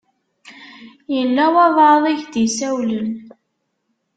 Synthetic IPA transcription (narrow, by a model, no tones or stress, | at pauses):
jəlːæwɑðˤɑɾðˤiʝd̪isæwlən